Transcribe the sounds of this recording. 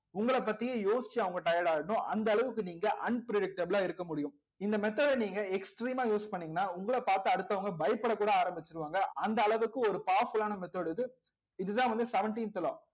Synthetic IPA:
ʊŋɡɐɭɐpːɐt̪ːɪjeːjoːsɪ̥t͡ʃːɯɐʋɐŋɡɐʈɐjɐɽaːɽɐnʊ̃ʔɐnd̪ɐːɭɐʋɯkːɯniːŋɡɐʔɐnpɾɛɽɪk̚ʈɐblaːɪɾɯkːɐmʊɽɪjʊ̃ | ɪnd̪ɐmɛt̪ːoːɽniːŋɡɐɛksʈɾiːmaːjuːspɐɳːiːŋɡɐnːaːʊŋɡɐɭɐpaːɾt̪ɯɐɽɯt̪ːɐʋɐŋɡɐbɐjpːɐɽɐkːuːɽɐaːɾɐmbɪt͡ʃːɯɾɯʋaːŋɡɐʔɐnd̪ɐːɭɐʋɯkːɯɔɾɯpaːɾfɯlaːnɐmɛt̪ːoːɽɯðɯ | ɪðɯðãːʋɐnd̪ɯsɛʋɛɳʈiːnt̪ɪlaː

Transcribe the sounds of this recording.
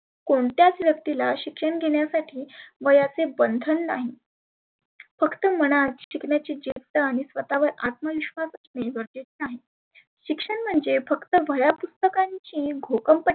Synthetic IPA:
koɳt̪jat͡sʋjəkt̪ilaɕikʂəɳɡʱeɳjasaʈʰiːʋəjat͡sebənd̪ʱənːa̰ɦi | fəkt̪əm̤əɽ̃at̪ɕikɳjat͡ɕiːd͡ʑiʋt̪əaɽ̃isʋət̪aʋəɾat̪̚məʋiɕʋasəsneʋəɾd͡ʑet͡ɕaɦe | ɕikʂəɳm̤əɳd͡zefəkt̪əʋəjapust̪əkaɲt͡ɕiːɡʱokəmpə

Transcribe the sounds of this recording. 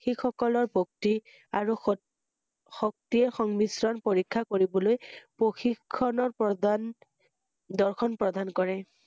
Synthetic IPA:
xixɔkɔlɔɹbʱok̚ti | aɹu | xɔk̚tiɛxɔŋmisɹɔnpoɹikʰːakoɹibɔlojpoxikʰːɔnɔɹpɔdn | d̪ɔɹxʰɔnpɹɔdankɔɹɛ

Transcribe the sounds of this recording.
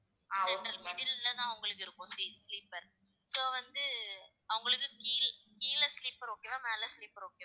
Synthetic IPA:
sɛɳʈɐlmɪɽɪlɪlːɐnãːɐʋʊŋɡɐɭɯkːɯɪɾɯkːʊ̃siːsliːpːɐɾ | soːʋɐnd̪ɯ | ɐʋʊŋɡɐɭɯkːɯkiːlkiːlɐsliːpɐɾoːkːeːnãːmeːlɐsliːpːɐɾoːkːẽː

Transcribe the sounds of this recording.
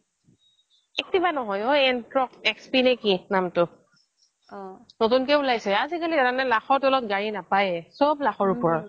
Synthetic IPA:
ɛk̚tibanɔɦɔjoɛnkɹɔkɛkspinɛkinamtʊ | notunkɛulajsɛazikaliɛɾanɛlaxɔɹtɔlɔtɡaɹinapajɛsɔblaxɔɹupɔɹɔ

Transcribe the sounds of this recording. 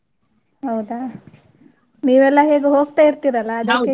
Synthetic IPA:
ɦɐwd̪a | niːʋɛlːɐɦe̞ːɡuɦo̞ːɡ̚t̪aːiɾt̪iːɾɐlːɐːd̪ɐkːe

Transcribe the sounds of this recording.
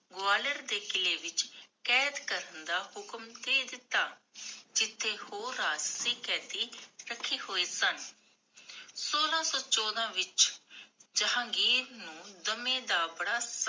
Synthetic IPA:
ɡoaːləɾd̪eːkɪleːʋɪt͡ʃkɛːd̪kəɾənd̪aːhʊkəmd̪eːd̪ɪt̪ːaːd͡ʒɪt̪ʰːeːhoːɾaːd͡ʒsiːkɛːt̪iːɾəkʰːiːhoːeːsən | soːlãːsɔːt͡ʃɔːd̪ãːʋɪt͡ʃ | d͡ʒəɦãːɡiːɾnũːd̪əmẽːd̪aːbəɽaːs

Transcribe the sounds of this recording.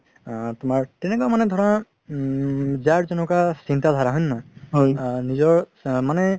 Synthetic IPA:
t̪ʊmaɹtɛnɛkɔamanɛd̪ʱɔɹa | zaɹzɔnɔkasint̪ad̪ʱaɹaɦɔjnːaɦjnizɔɹ | manɛ

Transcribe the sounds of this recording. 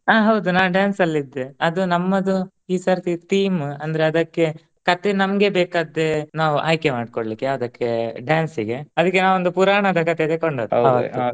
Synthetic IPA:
aːɦɐwd̪unaːɖjaːnsɐlːid̪ːeɐd̪unɐmːɐd̪u | iːsɐɾt̪it̪iːmɐnd̪ɐɾeɐd̪ɐkːe̞ | kɐt̪enɐmɐɡe̞beːkaːd̪ːenaːʋuʔa̰ːjkemaːɖ̚koɽlikːeaɐd̪ɐkːeɖjaːnsiɡe̞ɐd̪ɐkːenaːʋond̪upuɾaːɳɐd̪ɐkɐt̪ed̪ekoɳɖoːd̪ɐɐt̪u

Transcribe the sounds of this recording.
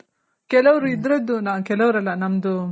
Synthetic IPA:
kɛlɐʋɐɾuid̪ɾɐd̪ːunaːkɛlɐʋɾɐlːɐnɐmd̪u

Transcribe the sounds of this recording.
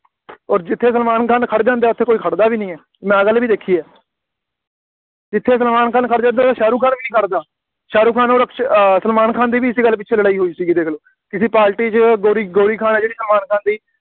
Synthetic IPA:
ɔːɾd͡ʒɪt̪ʰːeːs̬əlmaːnkʰãːnkʰəɽd͡ʒãːnd̪eɛːʊt̪ʰːeːkoːiːkʰəɽd̪aːʋiːnĩːɛː | mɛ̃ːɡəlːʋiːd̪eːkʰiːɛː | d͡ʒɪt̪ʰːeːs̬əlmaːnkʰaːnkʰəɽd͡ʒãːnd̪eaːt̪ːʃaːɾuːkʰãːnʋiːnĩːkʰəɽd̪aː | ʃaːɾuːkʰaːnoːɾəkʃsəlmaːnkʰaːnd̪iːʋiːɪsiːɡəlːp̬ɪtːt͡ʃʰeːləɽaːiːɦoːiːsiːɡiːd̪eːkʰloː | kɪsiːpaːɾʈiːt͡ʃɡoːɾiɡoːɽiːkʰaːnɛːd͡ʒeːɽiːsəlmaːnkʰãːnd̪iː

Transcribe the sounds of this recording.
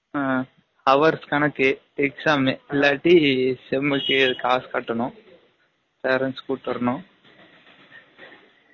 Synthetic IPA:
hɐʋɐɾskɐnɐke | eksaːmelaːʈisemɐkikaːskɐʈːɐno | paːɾɐnskuːʈːɐɾno

